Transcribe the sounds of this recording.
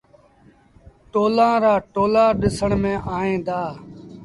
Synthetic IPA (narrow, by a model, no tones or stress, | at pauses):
ʈoːlãːɾaːʈoːlaːɗɪsəɳmẽːʔaːẽːd̪aː